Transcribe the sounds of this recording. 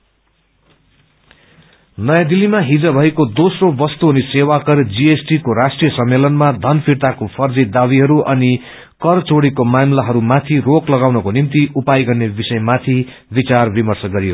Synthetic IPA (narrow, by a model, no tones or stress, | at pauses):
nʌjãd̪ilːimaɦid͡zʌbʱʌekod̪osrobʌst̪uʌnisewakʌrd͡ziesʈikoɾasʈrijʌsʌmːelʌnmad̪ʱʌnpʰiɾt̪akopʰʌrd͡zid̪abiɦʌɾuʔʌni | kʌrt͡soɽikomamlaɦʌɾumat̪ʰiroklʌɡawnʌkonimt̪iʔupajɡʌrnebisʌjmat̪ʰi | bit͡sarbimʌrsʌɡʌɾijo